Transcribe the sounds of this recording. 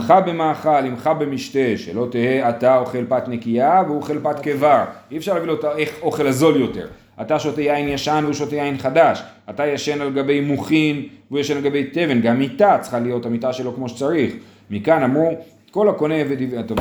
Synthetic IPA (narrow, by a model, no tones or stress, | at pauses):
χabe̞maːχalimχabe̞miʃte̞ʃḛlo̞t̪eeatao̞χe̞lpat̪ne̞kiaveuoχe̞lpatkevaʁiefʃaʁlavilotaeχo̞χe̞lazo̞ljo̞te̞̰ʁ | ataʃotejainjaʃanveuʃotejainχadaʃatajaʃe̞naleɡabe̞jmuχinvujaʃenleɡabe̞jte̞ve̞nɡamːitat͡sχalijo̞tamitaʃe̞lo̞kmo̞ʃe̥t͡saʁiχ | mikanamu | ko̞lako̞neved̪ivata